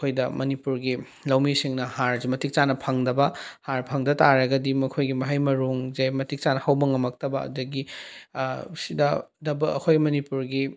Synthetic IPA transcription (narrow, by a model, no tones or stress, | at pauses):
ɐkʰojdɐmɐnipuɾɡi | lɐwmisiŋnɐhaɾzimɐtik̚t͡ʃanɐpʰɐŋdɐbɐhaɾpʰɐŋdɐtaɾɐɡɐdimɐkʰojɡimɐɦajmɐɾuŋzemɐtik̚t͡ʃanɐhɐwbɐŋɐmɐk̚tɐbɐɐ̰dɐɡi | sidɐdɐbɐɐ̰kʰojmɐnipuɾɡi